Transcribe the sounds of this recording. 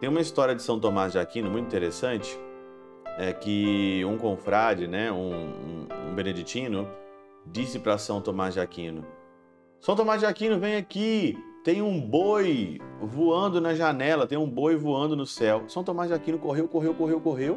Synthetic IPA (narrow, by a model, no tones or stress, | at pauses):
tt̪ẽj̃ũmɐist̪ɔɾiɐd͡ʒɪsɐ̃w̃t̪õmazʒakĩnʊmũt̪ĩt̪eɾesɐ̃t͡ʃɪ̥ | ɛkɪũkõfɾad͡ʒɪnɛũṵ̃ṵ̃bẽned͡ʒit͡ʃĩnʊ | d͡ʒisɪpɾɐsɐ̃w̃t̪omazʒakĩnʊ̰ | sɐ̃w̃t̪õmazʒakĩnʊvẽj̃akit̪ẽj̃ũbojvuɐ̃nd̪ʊnɐʒanɛlɐt̪ẽj̃ũbojvuɐ̃nd̪ʊnʊsɛwsɐ̃w̃t̪omazʒakĩnʊkoɦewkoɦewkoɦewkoɦew